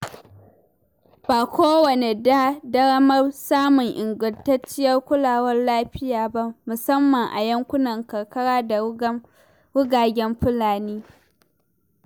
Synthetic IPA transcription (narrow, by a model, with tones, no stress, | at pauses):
baː˨kʷoː˦wɐ˨ne˨da˦dɐ˦ɽɐ˦mɐ˦rsaː˦mʊ˨ŋʔɪ˨ŋɡʊ˨ntɐ˦t͡ʃːɪ˦jɐ˦rkʷʊ˦laː˨wɐ˦rlaː˦ɸɪ˦jaː˨ba˦mʊ˨sɐ˦mːɐ˨ŋʔa̰˨jɐ˦ŋkʷʊ˦nɐ˨ŋkɐ˨rkɐ˦ɽaː˦d | wʊ˦ɡaː˨ɡʲɛ˦mɸʊ˦laː˨niː˦